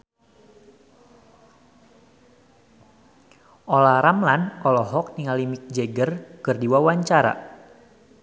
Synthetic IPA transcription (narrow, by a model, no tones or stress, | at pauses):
ʔɔlaɾamlanɔlɔɦɔk̚niŋalimik̚d͡ʒeɡərkɨrdiwawaɲt͡ʃaɾa̰